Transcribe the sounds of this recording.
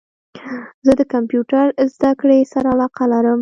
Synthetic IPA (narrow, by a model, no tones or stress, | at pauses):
zəd̪əkampjuʈaɾzd̪akɽesaɾaalɑqalaɾəm